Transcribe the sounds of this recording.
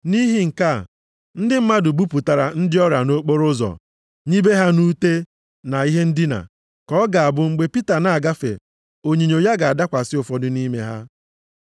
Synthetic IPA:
ni˦ɦi˦ŋ̩˨ka˦˨ | n̩˦dɪ˦m̩˦ma˦dʊ˨ɡ͡bu˦pu˨ta˨ɾa˨n̩˦dɪ˦ɔ˦ɾa˨no˦k͡po˦ɾʊ˦zɔ̰˨ | ɲi˦be˦ɦa˦nu˦te˦ | na˨i˦ɦe˦n̩˦dɪ˦na̰˨ | kɔ˦ɡa˨a˨bʊ˦ŋ͡m̩˦ɡ͡be˦pi˦ta˨na˨a˨ɡa˦fḛ˨ | o˨ɲi˨ɲo˨ja˦ɡa˨a˨da˦kʷa˨sɪ˦ʊ˨fɔ˨dʊ˦ni˦me˦ɦa̰˦

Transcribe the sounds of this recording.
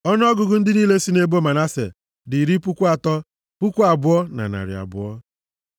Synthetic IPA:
ɔ˦n˦ɔ˦ɡʊ˨ɡʊ˨n̩˦dɪ˦niː˦le˦si˦ne˨bo˦ma˨na˦sḛ˨ | dɪ˨ɾi˦pu˦kʷu˦a˨tɔ˦ | pʊ˦kʷu˦a˨bʊ˦ɔ˦na̰˨na̰˨ɾɪ̰˨a̰˨bʊ̰˨ɔ˦

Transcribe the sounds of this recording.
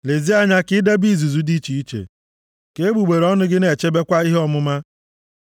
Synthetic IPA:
le˨zi˦a˦ɲa˦kɪ˦de˦bi˦˨zu˨zu˨di˦t͡ʃi˨i˦t͡ʃḛ˨ | ke˨e˦ɡ͡bu˨ɡ͡be˨ɾɔ˦nʊ˦ɡɪ˦ne˨t͡ʃe˦be˦kʷa˦i˦ɦɔ˦mʊ˦ma˦

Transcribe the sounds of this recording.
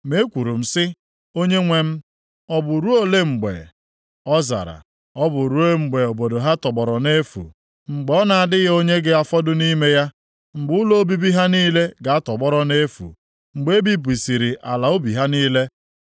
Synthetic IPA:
me˨˦kʷu˨ɾu˨m̩˨sɪ˦ | o˦ɲe˦ŋʷe˦m̩˦ | ɔ˦bʊ˨ɾu˦o˦le˦ŋ͡m̩˨ɡ͡bḛ˨ | ɔ˦za̰˨ɾa̰˨ | ɔ˦bʊ˨ɾu˦e˦ŋ͡m̩˨ɡ͡be˨o˨bo˨do˨ɦa˦tɔ˨ɡ͡bɔ˨ɾɔ˨ne˦fṵ˨ | ŋ͡m̩˨ɡ͡bɔ˦na˨a˨dɪ˦ɣe˦o˦ɲe˦ɡɪ˦a˦fɔ˦dʊ˦ni˦me˦ja˦ | ŋ͡m̩˨ɡ͡bʊ˦lo˦o˦bi˦bi˦ɦa˦niː˦le˦ɡa˨a˦tɔ˨ɡ͡bɔ˦ɾɔ˦ne˦fṵ˨ | ŋ͡m̩˨ɡ͡be˨˦e˦bi˦b̬ʷi˨si˨ɾi˨ʔa˨la˨o˦bi˨ɦa˦niː˦le˦

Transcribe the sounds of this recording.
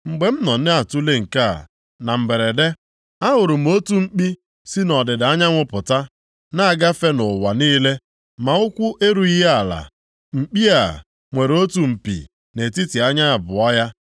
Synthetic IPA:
ŋ͡m̩˨ɡ͡be˨m̩˦nɔ˨n̩˦ne˦a˨tu˦le˦ŋ̩˨ka̰˦˨ | na˨m̩˨ɡ͡be˨ɾe˨de˦ | a˦ɦʊ˨ɾʊ˨m̩˦o˦tu˦ŋ͡m̩˦k͡pi˦ | si˦nɔ˨dɪ˨da˦ɲa˦ŋʷʊ˦pʊ˨ta˦ | na˦a˨ɡa˦fe˦nʊ˨wa˨niː˦le˦ | ma˨ʊ˦kʷʊ˦ʔe˦ɾu˨i˦ɦe˦a˨la̰˨ | ŋ͡m̩˨k͡pi˦a˨ | ŋʷe˨ɾo˦tu˨m̩˨pḭ˨ | ne˨ti˦ti˨a˦ɲa˦a˨bʊ˨ɔ˦ja˦

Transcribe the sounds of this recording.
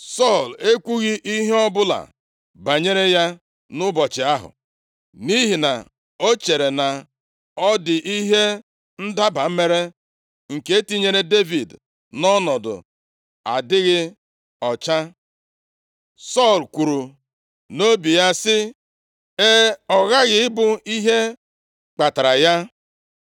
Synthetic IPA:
sɔ˦˨le˦kʷu˦ɣi˦ʔi˦ɦe˦ɔ˦bʊ˦la̰˨ | ba˨ɲe˦ɾe˦ja˦ | nʊ˦bɔ˨t͡ʃɪ˨a˦ɦʊ̰˨ | ni˦ɦi˨na˨ | o˦t͡ʃe˨ɾe˨na˨ | ɔ˦dɪ˨ʔi˦ɦe˦ | n̩˦da˦ba˨m̩˦me˦ɾe˦ | ŋ̩˨ke˦e˦ti˦ɲe˦ɾe˦de˦vi˨d | nɔ˦nɔ˨dʊ̰˨ | a̰˨dɪ˦ɣɪ˦ | ɔ˨t͡ʃa˦ | sɔ˦˨lku˨ɾu˨ | no˦bi˨ja˦sɪ˦ | e˦ɔ˨ɣa˦ɣɪ˨ɪ˦bʊ˨i˦ɦe˦ | k͡pa˨ta˨ɾa˨ja˦

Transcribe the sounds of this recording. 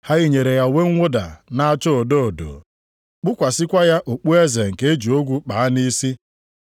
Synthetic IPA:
ha˦ɣi˦ɲe˨ɾe˨ja˨we˦ŋ̩˦ŋʷo˦da̰˨na˦a˦t͡ʃo˦o˨do˦o˨do̰˨ | k͡pʊ˦kʷa˨sɪ˦kʷa˦ja˦ʔo˨k͡pu˦e˦ze˨ŋ̩˨ke˦e˦d͡ʒu˨o˦ɡʷu˦k͡pa˨a˦ni˦si˦

